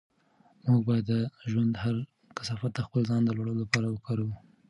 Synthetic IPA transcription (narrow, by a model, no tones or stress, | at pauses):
muɡ̚bɑjad̪ːəʒwand̪haɾ | kḁsɑfat̪̚d̪əxpəlzɑnd̪əlwaɽəlolapɑɾawəkaɾu